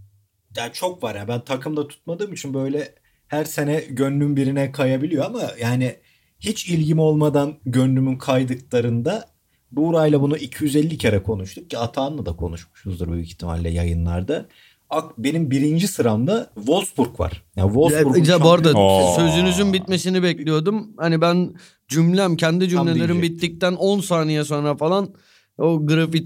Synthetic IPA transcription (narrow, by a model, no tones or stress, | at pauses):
jaːnt͡ʃʰo̞kvaɾjabænt̪ʰakʰɯmd̪at̪ʰu̥t̪̚mad̪ɯːmit͡ʃʰinbø̞jlʲɛ | hæɾse̞nɛɟønlymbiɾinɛkʰajabilʲijoamajaːnɪ | hit͡ʃʰilʲɟimo̞lˠmad̪anɟø̞nlːymynkʰajd̪ɯklˠaɾɯnd̪a | buːɾajlˠabunuʔicʰijyzelʲːicʰeɾɛkʰo̞nuʃt̪ʰucʰiat̪ʰaːnlˠad̪akʰo̞̰nuʃmu̥ʃuzd̪ɯɾbøjyict̪ʰima̰lʲːɛ̰ja̰jɯnlˠa̰ɾd̪a | akbe̞nimbiɾind͡ʒisɯɾamd̪avo̞lˠsbuɾkva̰ɾ̥javolˠbuɾaboɾd̪ad̪sø̞zynyzynbit̪me̞sinibɛclʲijo̞d̪umhanibæn | d͡ʒymlʲæmcʰɛnd̪id͡ʒymlʲelʲeɾinbit̪ːic̚t̪æno̞nsaːnijaso̞nɾafalˠan | oɡɯɾafi